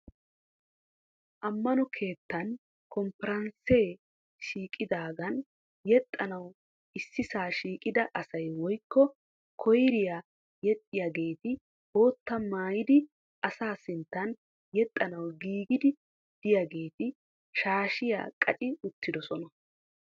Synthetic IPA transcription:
ʔɐmːɐnɔkʰe̞ːt̪ːɐn | kʰɔmpɛɾɐnse̞ː | ʃiːkʼɪd̪aːɡɐn | jɛt̪ʼːɐnɐw | ɪsːɪsaːʃiːkʼɪd̪ɐʔɐsɐjwɔjkːɔ | kʰɔjɾɪjaː | jɛt̪ʼːɪjɐɡe̞ːt̪ɪ | bo̞ːt̪ːɐmaːjɪd̪ɪ | ʔɐsaːsɪnt̪ːɐn | jɛt̪ʼːɐnɐwɡiːɡɪd̪ɪ | d̪̥ɪjɐɡe̞ːt̪ɪ | ʃaːʃɪja̰ːkʼɐ̰t͡ʃʼɪʊt̪ːɪd̪ɔsɔnɐ

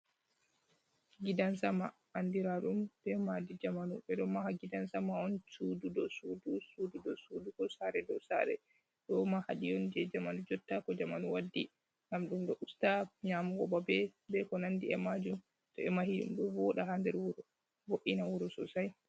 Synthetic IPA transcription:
ɡidansamaʔandiɾaɗumb̥ɛmadid͡ʒamanuɓɛɗɔmahaɡidansamaɔnsududɔsudusududɔsudukɔsaɾɛdɔsa̰ɾɛ̰ | ɗɔmahaɗijɔnd͡ʒɛd͡ʒamanud͡ʒɔtːakɔd͡ʒamanuwadːi | ŋɡamɗumɗɔʔustaɲaːmuɡɔbabɛbɛkɔnandiɛmad͡ʒum | tɔɛmahiɗṵmɗɔbɔɗaɦandɛɾwuɾɔ | boʔinawuɾɔsɔ̰saj

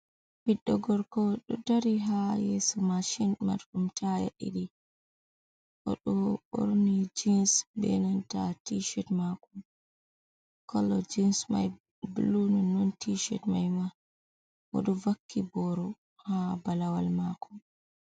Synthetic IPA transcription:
biɗːɔɡɔɾkɔɗɔdaɾiɦajesumaʃinma̰ɾɗumtʰaja̰ɗḭɗi | ʔɔɗɔo̰ɾnid͡ʒinsbɛ̰nantatiʃɛtmakum | kʰɔlːɔd͡ʒinsma̰j | bulunɔnːontiʃɛ̰tmajma | ʔɔ̰ɗɔvakʰːibɔɾɔ | habalawalmakum

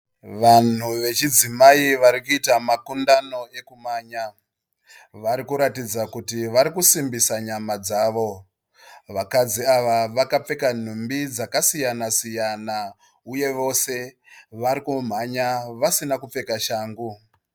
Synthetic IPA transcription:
ʋan̤uʋe̞t͡ʃid͡zimaiʋaɾikuitamakundano̞e̞kumaːɲa | ʋaɾikuɾatid͡zakutiʋaɾikusimbisaɲamad͡zaːʋo̞ | ʋakad͡ziaʋaʋakap͡fe̞kan̤umbid͡zakasijanasijana | uje̞ʋo̞se̞ | ʋaɾikum̤aɲaʋasinakup͡fe̞kaʃaːŋɡu

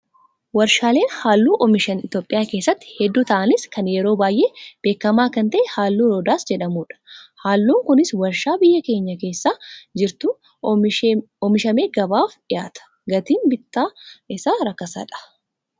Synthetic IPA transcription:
wɐɾʃaːle̞ːnhaːlːuːʔɔmɪʃɐnɪt̪jo̞ːpʼːɪjaːke̞ːsːɐt̪ːɪ̥hɛd̪ːuːt̪ɐʔɐnɪskɐnjɛɾo̞ːbaːjʔeːb̥eːkːɐmaːkɐnt̪ɐʔɛhaːlːuːɾoːd̪aːsd͡ʒɛᶑɐmuːᶑɐ̥haːlːuːŋkʊnɪswɐɾʃaːbɪjːɐke̞ːɲːɐke̞ːsːaːd͡ʒɪɾt̪ʊ | ɔmɪʃɐmeːɡɐbaːfɪjaːt̪ɐ̥ | ɡɐt̪iːnbɪt̪ːaːɪsaːɾɐkːɐsɐ̰ᶑɐ̥

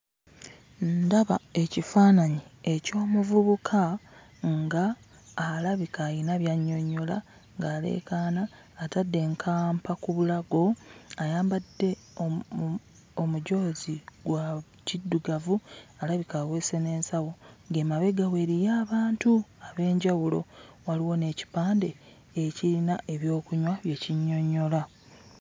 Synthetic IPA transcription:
nndaβae̞cifaːnaɲie̞co̞ːmuvuβukʰa | ŋɡaː | laβikaːjinaβjaɲːo̞ɲo̞la | ŋɡaːle̞̰ːkaːnaː | tadːe̞ŋkʰaːmpakuβulaɡo̞ajaːmbadːe̞ | o | omuɟo̞ːziɡwa | cidːuɡavualaβikaːwe̞ːse̞ne̞ːnsawo̞ɡe̞maβe̞ɡawe̞ːɾijaːβaːntuaβe̞ːɲɟawulo̞̰waliwo̞ne̞ːci̥paːnde̞ | eciɾinaʔe̞βjo̞ːkuɲwaβje̞ːciɲːo̞ɲːo̞la

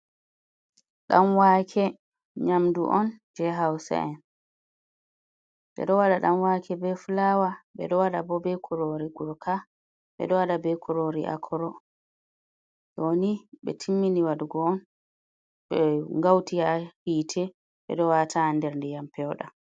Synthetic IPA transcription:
ɗamwakʰɛ | ɲamdṵʔɔnd͡ʒɛɦawsa̰ʔɛn | dɛ̰ɗɔwaɗaɗamwakʰɛbɛfulawaɓɛ̰ɗɔwaɗabɔbɛkʰuɾoɾiɡuɾkʰa | ɓɛ̰ɗɔwaɗabɛkʰuɾoɾiʔa̰kʰɔɾɔ | joniɓɛ̰tʰimːiniwaduɡɔːn | ɓɛŋɡawtiahiːtʰɛ | ɓɛ̰ɗɔwatʰaːndɛɾndɛjampʰɛwɗa

